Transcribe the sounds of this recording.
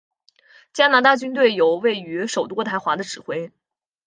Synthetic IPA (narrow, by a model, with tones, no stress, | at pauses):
t͡ɕja˥na˧˥t̪a˥˩t͡ɕy˥nt̪̬we˥˩ɪjo˨˩ʊwe˥˩ɪy˧˥ʂo˨˩ʊt̪wɔ˥t̪ʰa˧˥ɪxwa˧˥d̪ə˧ʈ͡ʂɻ̩˨˩xwe˥ɪ